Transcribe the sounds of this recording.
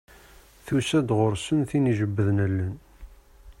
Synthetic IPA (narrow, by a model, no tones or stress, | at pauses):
θusæd̪ʁʊɾsənθiniʒəbːəðnælːən